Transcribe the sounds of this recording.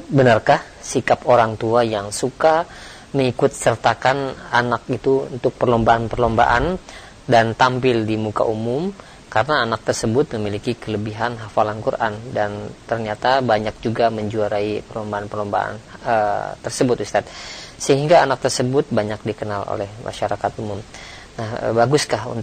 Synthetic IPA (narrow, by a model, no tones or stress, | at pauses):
bənərkah | sikapoɾaŋt̪uajaŋsuka | məŋikʊt̪̚sərt̪akananakit̪uṵnt̪ʊk̚pərlombaʔanpərlomba̰ʔa̰n | dant̪ampɪldimuka̰ʔumʊm | kaɾənaːnak̚t̪ərsəbʊt̪̚məmilikikələbiɦanɦafalankuɾʔa̰ndant̪ərɲat̪abaɲak̚d͡ʒuɡaməɲd͡ʒuaɾaipərlombaːnpərlomba̰a̰n | ət̪ərsəbʊt̪ust̪at̪̚səɦiŋɡaːnak̚t̪ərsəbʊt̪̚baɲak̚dikənalo̰lɛhmʔa̰ʃaɾakat̪umʊm | nahə̰baɡʊskahṵnt̪